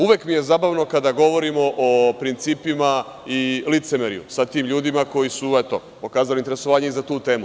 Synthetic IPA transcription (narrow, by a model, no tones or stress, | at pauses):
uʋjeːkmije̞zaːbaʋno̞kad̪aɡo̞ʋo̞ɾimo̞ʔopɾint̪siːpima | ilit̪semeɾḭjṵsat̪iːmʎuːd̪imako̞jisuet̪o | po̞kaːzalint̪eɾe̞soʋaːɲeizat̪uːt̪e̞ːmu